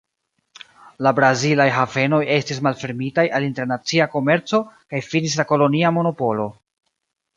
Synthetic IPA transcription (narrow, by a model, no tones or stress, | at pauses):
labɾazilajɦave̞no̞je̞stis̬malfe̞ɾmitajʔalinte̞ɾnat͡siako̞me̞ɾt͡so̞kajfinis̬lako̞lo̞niamo̞no̞po̞lo̞